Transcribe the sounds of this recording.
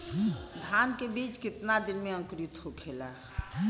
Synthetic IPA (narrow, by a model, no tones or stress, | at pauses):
d̪ʱaːnkebiːt͡ʃkɪt̪nad̪ɪnmẽə̃ŋkɾɪt̪hokʰeːlaː